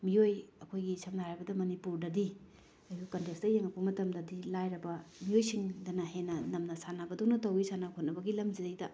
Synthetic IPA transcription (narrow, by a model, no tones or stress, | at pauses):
miojɐkʰojɡisʰɐmnaɾajbɐdɐmɐnipuɾdɐdi | ɐjukɐntekstdɐjeŋɐpɐmɐtɐmdɐdilajɾɐbɐmiojsiŋdɐnɐɦenːɐnɐmnɐsanabɐdownɐtɐwisanakʰot̚nɐbɐɡilɐmzidɐjdɐ